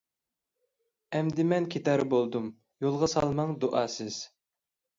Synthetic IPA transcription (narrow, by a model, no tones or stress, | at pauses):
ɛmd̪ɪmɛnkʲʰet̪ɑɾɨbolˠd̪um | jolˠʁɑsɑlˠmɑŋd̪oʔɑːsɪz̥